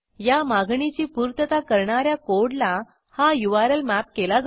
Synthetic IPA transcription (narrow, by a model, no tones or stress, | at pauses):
jamaɡɳit͡ɕiːpuɾt̪ət̪akəɾɳaɾjakoɽla | hajuʋaɾəlmæp̚kelad͡z